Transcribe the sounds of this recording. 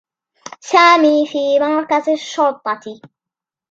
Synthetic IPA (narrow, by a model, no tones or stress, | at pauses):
saːmiːfiːmaɾˤkazɪʃːʊɾt̪ˤːɑt̪i